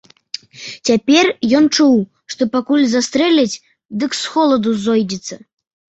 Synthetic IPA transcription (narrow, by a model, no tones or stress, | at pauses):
t͡sʲapʲɛrjɔnt͡ʂuw | ʂt̪ɔpakulʲzast̪ɾɛlʲɐt͡sʲ | d̪ɨksxɔlˠɐd̪uzɔjd͡zʲɛt̪sːɐ